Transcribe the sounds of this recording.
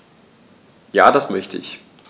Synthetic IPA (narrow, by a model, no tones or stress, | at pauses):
ja̰ːdasmœçtʰə̰ʔɪç